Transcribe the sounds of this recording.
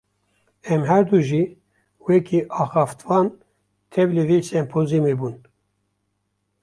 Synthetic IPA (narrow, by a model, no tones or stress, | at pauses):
ɛmɦɛɾd̪uʒiː | wɛkʰiʔɑːxɑːft̪vɑːn | t̪ʰɛblevisɛmpʰozimebun